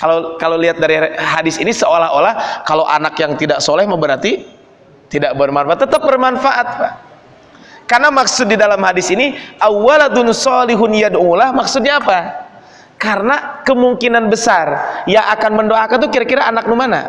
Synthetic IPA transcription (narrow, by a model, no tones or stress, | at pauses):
kalokaloliɦat̪̚daɾiɦadɪsinisəolaɦolahkaloʔa̰nakjaŋt̪idaʔsolɛhməbəɾart̪i | t̪idaʔbərmanfaat̪ːət̪əp̚bərmanfaʔat̪̚pah | karnamaksʊt̪̚didalamhadɪsiniʔawːalat̪ʊnsɔlɪɦʊnjaduŋulahmaksʊt̪̚ɲaːpa | karənakəmuŋkinanbəsarjaʔakanməndoakant̪ukiɾakiɾaʔanak̚numana̰